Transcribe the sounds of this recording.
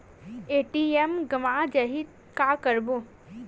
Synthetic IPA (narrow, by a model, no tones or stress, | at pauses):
eːʈiemɡəʋad͡ʒəɦid̪ | kakəɾbo